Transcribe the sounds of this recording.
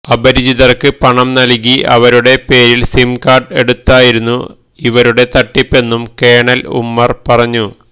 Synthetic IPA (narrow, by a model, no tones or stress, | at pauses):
ɐbɐɾid͡ʑiðɐrkɨpɐɳɐmnɐlkːiʔɐ̰ʋɐɾuɽe̞pe̞ːɾilsimkaːrɖe̞̰ɽut̪ːaːjiɾunːu | iʋɐɾuɽe̞t̪ɐʈːipːe̞nːumke̞ːɳɐlṵmːɐrpɐrɐɲːu